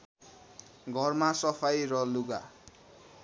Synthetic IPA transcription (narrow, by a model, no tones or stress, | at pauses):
ɡʱʌrmasʌpʰajrʌluɡa